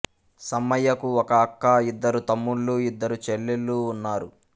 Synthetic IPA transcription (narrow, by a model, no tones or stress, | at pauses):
sɐmːɐjɐkuɔkɐːkːɐid̪ːɐɾut̪ɐmːuɭːuːid̪ːɐɾut͡ʃelːelːuːnːaːɾu